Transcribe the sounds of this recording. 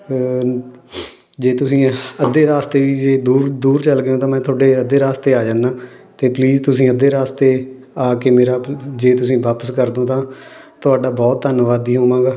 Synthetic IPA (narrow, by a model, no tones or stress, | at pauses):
d͡ʒeːt̪ʊsĩːəd̪eːɾaːst̪eːʋiːd͡ʒeːd̪uːɾd̪uːɾt͡ʃəlɡɪjõːt̪ãːmɛ̃ːt̪ʰʊːɖeːəd̪eːɾaːst̪eːaːd͡ʒãːnːaːt̪eːpliːd͡ʒt̪ʊsĩːəd̪eːɾaːst̪eː | aːkeːmeːɾaːd͡ʒeːt̪ʊsĩːʋaːpəskəɾd̪õːt̪ãː | t̪ʊaːɖaːbɔːt̪ːənʋaːd̪iːɦoːʋãːɡaː